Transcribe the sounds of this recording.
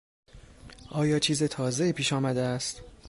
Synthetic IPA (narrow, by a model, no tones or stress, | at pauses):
ʔɒːjɒːt͡ʃʰiːzet̪ʰɒːze̞iːpʰiːʃɒːmæd̪eæst̪